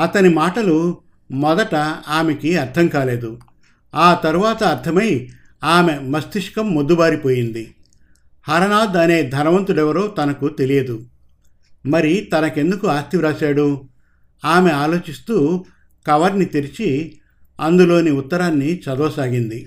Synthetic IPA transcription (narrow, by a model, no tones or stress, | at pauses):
ɐt̪ɐnimaːʈɐlu | mɔd̪ɐʈɐaːmekiɐɾt̪ʰɐmkaːle̞ːd̪u | aːt̪ɐɾuʋaːt̪ɐːɾt̪ʰɐmɐj | aːme̞mɐst̪iʂkɐmːod̪ːubaːɾipoːjind̪i | hɐɾɐnaːd̪ɐne̞ːd̪ʱɐɾɐʋɐnt̪uɽɛʋɐɾoːt̪ɐnɐkut̪e̞lijɐd̪u | mɐɾit̪ɐnɐke̞nd̪ukuaːst̪iʋɾaːsaːɽu | aːme̞aːlo̞ːt͡ʃist̪uː | kɐʋɐɾnit̪iɾit͡ʃi | ɐnd̪ulo̞ːniut̪ːɐɾaːnːit͡ʃɐd̪ɔːsaːɡind̪i